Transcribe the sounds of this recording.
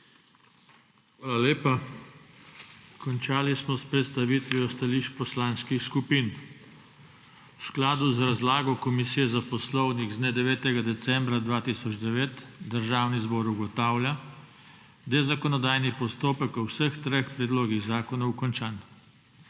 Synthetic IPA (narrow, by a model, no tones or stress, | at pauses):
xʋaːlaleːpa | kʰɔnt͡ʃaːlismɔspɾɛt̪st̪aʋiːt̪ʋiɔst̪aliʃpɔslanskixskupiːn | wsklaːd̪uzɾazlaːɡɔkɔmisiːjɛzapɔslɔwniɣznɛd̪ɛʋɛːt̪ɛɡad̪ɛsɛmbɾad̪ʋaːt̪isɔd͡ʒd̪ɛʋeːt̪d̪əɾʒaːwnizbɔːɾuɡɔt̪aːwlja | d̪ɛzakɔnɔd̪aːjnipɔst̪oːpəkɔwsəxt̪ɾexpɾɛd̪loːɡiɣzaːkɔnawkɔnt͡ʃaːn